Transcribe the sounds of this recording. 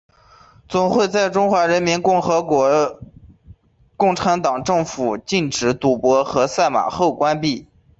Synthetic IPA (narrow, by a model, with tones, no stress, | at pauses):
t͡sʊ˨˩ŋxwe˥˧ɪt͡sa˥˩ɪʈ͡ʂʊ˥ŋxwa˧˥ɻə˧˥nmi˧˥nkxɤ˧˥wɔ˧˥ | kʊ˥˩ŋʈ͡ʂʰa˧˥nt̪ɑ˨˩ŋʈ͡ʂɤ˥˩ŋfu˨˩t͡ɕi˥˩nʈ͡ʂɻ̩˧˥t̪u˨˥˩pwɔ˧˥xɤ˧˥sa˥˩ɪma̰˨˩xo˥˩ʊkwa˥npi˥˩